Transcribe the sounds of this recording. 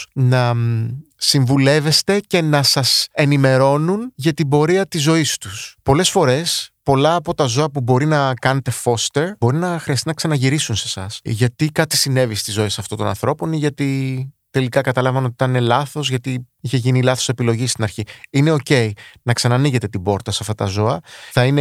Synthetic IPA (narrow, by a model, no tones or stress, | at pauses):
nɐ | siɱvule̞ve̞st̪e̞ce̞nɐsɐse̞nime̞ɾo̞nunʝɐt̪ibo̞ɾiɐt̪izo̞ist̪uspo̞le̞sfo̞ɾe̞spo̞lɐːpo̞t̪ɐzo̞ɐpubo̞ɾinɐkɐne̞t̪e̞fo̞st̪e̞ɾbo̞ɾinɐxɾiɐst̪inɐksɐnɐʝiɾisunse̞sɐsʝɐt̪ikɐt̪i̥sine̞vist̪izo̞e̞sɐft̪ot̪o̞nɐ̰nθɾo̞po̞niʝɐt̪it̪e̞likɐkɐt̪ɐlɐvɐnoit̪ɐnelɐθo̞zʝɐt̪i | içe̞ʝinilɐθo̞se̞pilo̞ʝist̪inɐɾçiine̞o̞ce̞inɐksɐnɐniʝe̞t̪e̞t̪ibo̞ɾt̪ɐsɐft̪ɐt̪ɐzo̞ɐθɐine